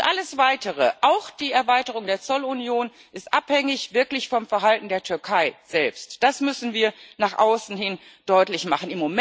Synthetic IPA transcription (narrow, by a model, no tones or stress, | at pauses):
ʔaləsv̥aɪtəʁ̞əʔaʊxd̥iːɛɐvaɪtəʁ̞ʊŋdeːɐt͡sɔlunjoːn | ʔɪstʔaphɛŋɪçv̥ɪɐklɪçfɔmfɛɐɦaltn̩deːɐtʰʏɐkʰaɪz̥ɛlpstd̥asmʏsn̩viːɐnaːχʔaʊsn̩hɪnd̥ɔʏtlɪçmaχn̩ɪmːom